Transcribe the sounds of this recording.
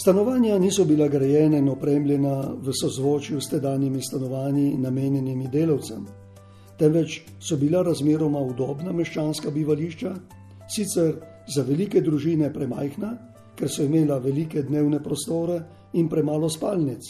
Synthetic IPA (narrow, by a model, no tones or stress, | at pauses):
st̪anɔʋaːnjaniːsɔbilaɡɾajɛːnainɔpɾeːmljɛnaʋəsɔzʋoːt͡ʃjust̪ɛd̪aːnjimist̪anɔʋaːnjinameːnjɛnimid̪eːlawt̪sɛ̰m | t̪ɛnʋɛt͡ʃ | sɔbilaɾazmeːɾɔmaud̪ɔːbnamɛʃt͡ʃaːnskabiʋaliːʃt͡ʃa | sit̪sɛɾ | zaʋɛliːkɛd̪ɾuʒiːnɛpɾɛma̰jxna | kɛɾsɔimeːlaʋɛliːkɛd̪neːwnɛpɾɔst̪oːɾɛ | inpɾɛmaːlɔspaːlnit̪s